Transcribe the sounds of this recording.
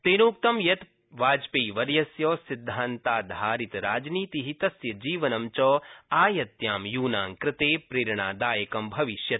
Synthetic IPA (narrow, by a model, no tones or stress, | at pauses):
t̪eːnuːk̚t̪ɐmjɐt̪ | ʋaːd͡ʒpeːʋɐɾjɐsjoːsid̪ʱːaːnt̪aːd̪ʱaːɾit̪ɾaːd͡ʒniːt̪iɦit̪ɐsjɐd͡ʒiːʋɐnɐmt͡ʃɔːaːjɐt̪jaːmjuːnaːmkɾɪt̪eːpɾeːɾɳa̰ːd̪aːjɐkɐmbʱɐʋiʃjɐt̪